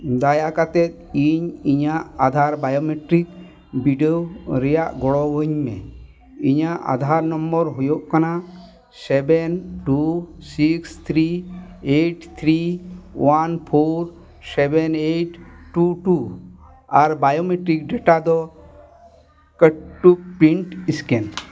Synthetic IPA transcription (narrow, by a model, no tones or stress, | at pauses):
d̪ajakat̪et̪̚ | iɲiɲaʔad̪ʱaɾbajomeʈɾik̚ | biɖɔoɾɛjaʔɡɔɽɔʋoɲmɛ̰̃ | iɲaʔa̰d̪ʱaɾnɔmbɔɾɦujoʔkana | sɛbɛnʈusikst̪ʰɾieʈt̪ʰɾiwanpʰoɾ | sɛbɛneʈʈːuʈu | aɾbajomeʈɾik̚ɖeʈad̪ɔ | kəʈʈːuk̚piɳʈisken